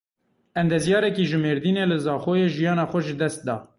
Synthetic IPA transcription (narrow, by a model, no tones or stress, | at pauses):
ʔɛnd̪ɛzjɑːɾɛkiːʒɨmeːɾd̪iːneːlɨzɑːxoːjeːʒijɑːnɑːxʷɛʒɨd̪ɛst̪̚d̪ɑ̰ː